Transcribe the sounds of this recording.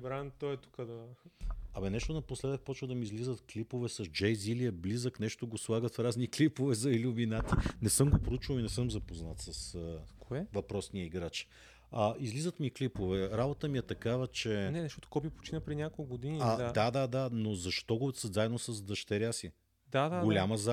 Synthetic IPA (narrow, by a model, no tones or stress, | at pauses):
bɾant̪ɔɛt̪u̥kəd̪ɐ | ɐmɛnɛʃt̪onɐposlɛd̪ək̚pɔt͡ʃvəd̪ɐmiːzlizət̪klipovɛsɐzd͡ʒɛjziliəblizəknɛʃt̪oɡoslˠaɡət̪fɾazniklipovɛzɐilʲuvinat̪inɛsɤmɡopɾout͡ʃvəlinɛsɤmzɐpoznat̪sɐsəkoɛvɐpɾɔsniəiɡɾat͡ʃ | ɐizlizət̪miklipovɛɾabot̪əmiɛt̪ɐkavət͡ʃɛnɛnɐʃɔt̪o̥kɔbʲipo̥t͡ʃinəpɾɛnʲakolˠkɡod̪iniad̪ad̪ad̪ad̪anozɐʃt̪ɔɡosəzaɛd̪nosɐzd̪ɐʃt̪ɛɾʲjasi | d̪ad̪aɡolʲaməza